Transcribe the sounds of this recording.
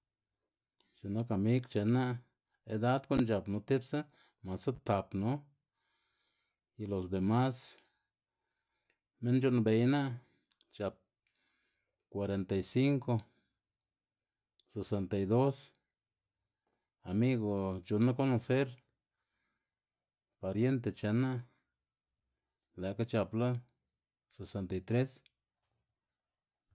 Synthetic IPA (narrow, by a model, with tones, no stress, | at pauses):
t͡ʃi˨no˧˦ka˨mi˦ɡt͡ʃe˨˧na˦ | e˧d̪a˦d̪ko˦nd͡ʒa˨pnu˧˦t̪i˦bsa˦ | ma˨sa˦t̪a˨pnu˦ | ji˧lo˨s̬d̪e˨ma˦s | me˦nt͡ʃu˧nbe˨jna˦ | t͡ʃa˨p̚ | kwa˨˧ɾe˨nt̪a˨jsi˦ŋko˧ | se˨se˨nt̪a˨jd̪o˦s | a˨mi˦ɣo˨t͡ʃu˨nːa˦k̬o˦no˧se˦ɾ | pa˨ɾje˦nt̪̬e˧t͡ʃe˧na˦ | la˨ka˦t͡ʃa˧pla˦ | se˨se˧nt̪a˨jt̪ɾe˦s